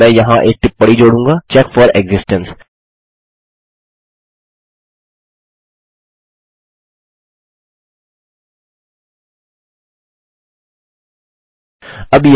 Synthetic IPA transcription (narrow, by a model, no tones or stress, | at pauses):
ɛ̃ːjɐɦãʔek̚ʈɪpːɐɽid͡ʑoːɽũːŋɡat͡ɕɛkfɔːɾɛɡzɪsʈə̃ns | ɐbj